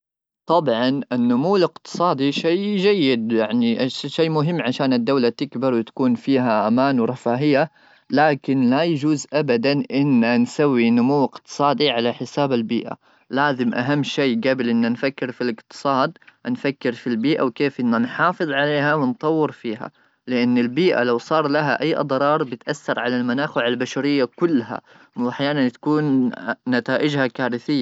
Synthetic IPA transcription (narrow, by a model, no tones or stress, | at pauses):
t̪ˤɑbʕɑnʔɪnːʊmuːlɪqt̪ɨ̥sˤɑːd̪iʃaːd͡ʒajːɪd̪jaʕniʔʃeːmʊɦɪmːʕaʃaːnɪd̪ːawlat̪ɪkbɪɾˤwɪt̪ḁkuːnfiːɦaʔamaːnwɾˤɑfaːɦɪjːa | laːkɪnlajad͡ʒuːzʔabad̪anʔɪnːansawːinʊmuwːɪqt̪ɨ̥sˤɑːd̪iʕalaħɪsaːbalbiːʔa̰ | laːzɪmʔa̰ɦamːʃeːɡaːbɪlʔɪnːanfakːɪɾfilɪqt̪ɨ̥sˤɑːd̪nfakːɪɾfilbiːʔa̰wkeːfʔɪnːanħɑːfɨðˤʕaleːɦawɪnt̪ˤɑwːɪɾfiːɦa̰ | lɪʔanːɪlbiːʔa̰lawsˤɑːɾˤlaɦaʔajːʔɑ̰d̪ˤɾˤɑːɾˤbɪt̪ʔaθːɑɾˤʕalalmanaːxɪʕalbaʃaɾɪjːakʊlːɦa̰ | wʔaħjaːnant̪ḁkuːnːat̪aːʔɪd͡ʒhakaːɾɪθɪjːa